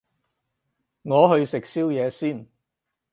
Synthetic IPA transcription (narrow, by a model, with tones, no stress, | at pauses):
ŋɔː˨˧ɦɵ˧ɥsɪ˨k̚siː˥wjɛː˨˧siː˥˩n